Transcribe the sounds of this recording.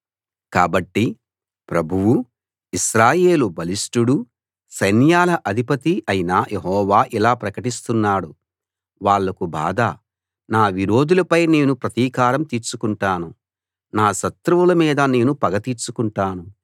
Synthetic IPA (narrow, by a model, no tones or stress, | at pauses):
kaːbɐʈːi | pɾɐbʱuwu | iʃɾaːje̞ːlubɐlisʈuɽu | sɐjnjaːlɐʔɐd̪ʱipɐt̪iʔɐjinajʔe̞ɦɔːʋaːʔilaːpɾɐkɐʈist̪unːaːɽu | ʋaːɭːɐkubʱa̰ːd̪a | naːʋiɾo̞ːd̪ulɐpɐjne̞ːnupɾɐt̪iːkaːɾɐmt̪iːɾt͡ʃukuɳʈaːnu | naːʃɐt̪ɾuʋulɐmiːd̪ɐne̞ːnupɐɡɐt̪it͡ʃukuɳʈaːnu